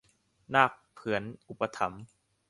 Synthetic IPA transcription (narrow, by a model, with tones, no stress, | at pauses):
naː˥˩k̚pʰɯ˩˦ənʔu˨˩pa˧t̪ʰa˩˦m